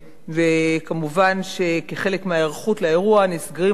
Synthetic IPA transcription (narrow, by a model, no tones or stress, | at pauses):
vekamuvanʃe̞keχe̞le̞kmeaeʁχutlaeʁuanisɡaʁi